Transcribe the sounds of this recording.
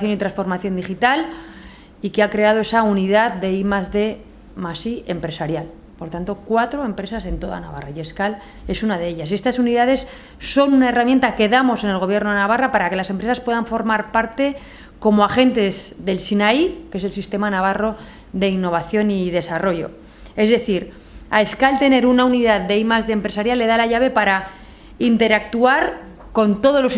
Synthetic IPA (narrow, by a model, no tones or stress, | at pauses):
θjo̞nit̪ɾansfo̞ɾmaθjond̪ixit̪al | ikeakɾe̞að̞o̞e̞sauniðaðde̞imazðe̞ | masie̞mpɾe̞saɾjal | po̞ɾt̪ant̪o̞kwat̪ɾoe̞mpɾe̞sase̞nt̪o̞ða̰na̰βa̰raje̞skal | e̞sunað̞e̞eʎase̞st̪asuniðaðe̞sː | o̞nunae̞ramjent̪ake̞ðamo̞se̞ne̞lɣ̞o̞βje̞ɾnoðenaβarapaɾake̞lase̞mpɾe̞saspwe̞ðaɱfo̞ɾmaɾpaɾt̪e̞ | ko̞moaxe̞nt̪e̞zðe̞lsinaikee̞s̬e̞lsist̪e̞manaβ̞aro̞ | ðe̞inːo̞β̞aθjo̞niðe̞saro̞ʝo̞̰ | e̞zðe̞θiɾ | a̰e̞skalt̪e̞ne̞ɾunauniðaðd̪e̞imazðempɾe̞saɾjalːe̞ðalaʝaβ̞e̞paɾa | int̪e̞ɾak̚t̪uaɾ | ko̞nt̪o̞ð̞o̞zlo̞s